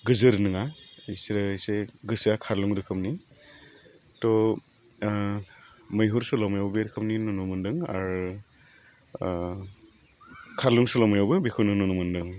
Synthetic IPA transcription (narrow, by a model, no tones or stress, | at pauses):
ɡɯzɯɾnɯŋajsiɾɯjseɡɯsakʰaɾluŋɾɯkʰɯpni | tɔ | mɐjɦuɾsulɔmajawbeɾɯkʰɯpninunumɯndɯŋa̰ɾ | kʰaɾluŋsulɔwmajawbɯbikʰɯwnɯnunumɯndɯŋ